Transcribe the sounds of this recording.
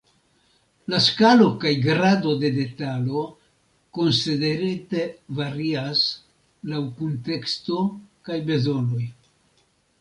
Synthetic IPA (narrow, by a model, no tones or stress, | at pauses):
laskalo̞kajɡɾado̞de̞de̞talo̞ | ko̞nside̞ɾete̞vaɾias | lawkunte̞ksto̞kajbe̞zo̞no̞j